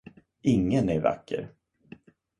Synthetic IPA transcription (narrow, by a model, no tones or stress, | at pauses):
ʔɪŋːənæɾva̰kːə̰ɾ